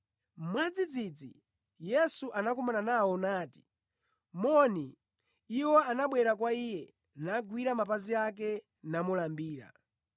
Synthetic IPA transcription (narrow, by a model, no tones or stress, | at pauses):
mwad͡zid͡zid͡zḭ | jɛsuʔanakumananawɔnaːti̥ | mɔni | iwɔanaɓwɛɾak̬waijɛ | naɡwiɾamapaziak̬ɛ | namulambiːɾa̰